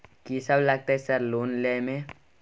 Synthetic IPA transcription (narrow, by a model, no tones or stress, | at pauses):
kisəblaɡ̚t̪aɦɛsəɾloːnlemẽ